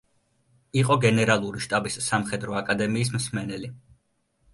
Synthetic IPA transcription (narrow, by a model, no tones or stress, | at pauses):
iqʼɔɡɛnɛɾalˠuɾiʃt̪ʼabisːamχɛd̪ɾɔakʼad̪ɛmiːs̬msmɛnɛli